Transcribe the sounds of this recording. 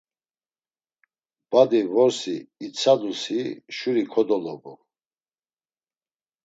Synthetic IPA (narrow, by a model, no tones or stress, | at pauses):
b̥ad̪ivɔɾsiːt͡sʰad̪usiʃuɾikʰɔd̪ɔlɔbɔ